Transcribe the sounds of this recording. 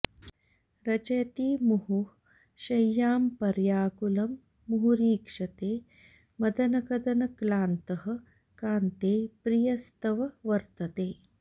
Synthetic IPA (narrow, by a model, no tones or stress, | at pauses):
ɾɐt͡ʃɐjɐt̪iːmuɦu | ʃɐjːaːmpɐɾjaːkulɐmː | uɦuɾiːkʂɐt̪eː | mɐd̪ɐnɐkɐd̪ɐnɐklaːnt̪ɐɦɐ̆ | kaːnt̪eːpɾijɐst̪ɐʋɐʋɐɾt̪ɐt̪eː